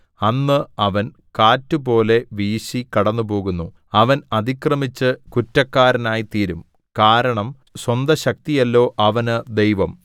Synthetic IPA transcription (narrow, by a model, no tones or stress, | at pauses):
ɐnːɨɐʋɐn | kaːtːupo̞ːle̞ʋiːɕikɐɽɐnːupo̞ːɣunːu | ɐʋɐnɐd̪ikrɐmit͡ɕːɨkutːɐkːaːɾɐnaːjit̪iːɾum | kaːɾɐɳɐm | swɐnd̪ɐɕɐk̚t̪ijɐlːo̞ːʔɐʋɐnɨd̪ejʋɐm